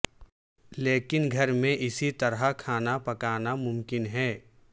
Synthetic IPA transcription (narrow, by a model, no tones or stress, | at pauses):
leːkɪnɡʱɐɾmẽʔɪsit̪ɐɾakʰaːnapɐkaːnamʊmkɪnɦɛː